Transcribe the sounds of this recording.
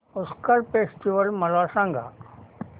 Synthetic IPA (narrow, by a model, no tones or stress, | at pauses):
ʊskəɾpeːsʈiʋəlmɐlaːsãŋɡa̰ː